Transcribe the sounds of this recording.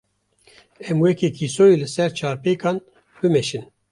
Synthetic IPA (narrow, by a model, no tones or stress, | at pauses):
ɛmwɛkekʰisoːjilɨsɛɾt͡ʃʰɑːɾpeːkɑːn | bɨmɛʃin